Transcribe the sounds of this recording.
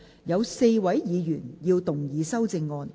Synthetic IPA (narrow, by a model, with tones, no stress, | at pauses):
jɐ˨˧wse˧jwɐ˨˥jjiː˨˧jyː˨˩njiː˧wt̪ʊ˨˩ŋjiː˨˧sɐ˥wt͡sɪ˧ŋːɔː˧n